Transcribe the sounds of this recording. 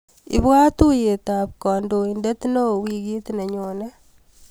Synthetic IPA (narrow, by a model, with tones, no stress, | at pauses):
ḭ˨bwa˦t̪u˦je˨t̪a˨p̚kɔ˨ndo˨i˨nde˦t̪no˦wi˨ɡi˦t̪ne˨ɲo˨ne˦